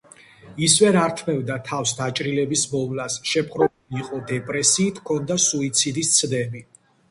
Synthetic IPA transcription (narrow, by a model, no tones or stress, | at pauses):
isvɛɾaɾt̪ʰmɛvd̪at̪ʰafsd̪at͡ʃʼɾilɛbismɔvlasʃɛpʰχɾɔ | iqʼɔd̪ɛpʼɾɛsiːt̪ʰkʰɔnd̪asuit̪sʰid̪ist̪sʰd̪ɛbi